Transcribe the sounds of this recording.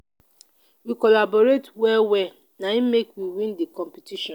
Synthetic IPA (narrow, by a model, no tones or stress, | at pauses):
wikɔlabɔɾetwɛwɛ | naimekwiwĩndikɔ̃mpitiʃɔ̃n